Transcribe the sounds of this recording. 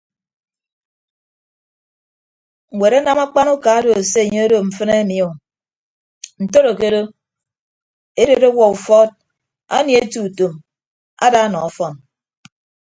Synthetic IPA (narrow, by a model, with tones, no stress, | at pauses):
ŋ̩˨we˨ɾa˦na˦ma˦k͡pa˦nu˦ka˨˦do˨e˨se˦˨ɲe˦o˦do˨m̩˨fɨ˦ne˦mi˨o˨ | n̩˨to˦ɾo˨ke˦ɾo˦ | e˦do˨ɾo˦wɔ˨u˨fɔ˦t̚ | a̰˦nje˨e˦tu˨to˨m | a̰˦da˦nɔ˨ɔ˨fɔ˦n